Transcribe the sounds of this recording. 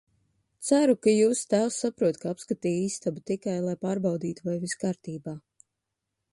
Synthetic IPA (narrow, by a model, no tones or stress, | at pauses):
t̪sæɾukajuːst̪æːwsːapɾuɔt̪kaapskat̪iːiːst̪abut̪ikajlˠajpaːɾbawd̪iːt̪uvajviskaːɾt̪iːbaː